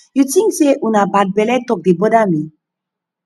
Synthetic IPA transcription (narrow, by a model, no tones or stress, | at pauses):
jut͡siŋseʔunabad̚belet̪ok̚dibodami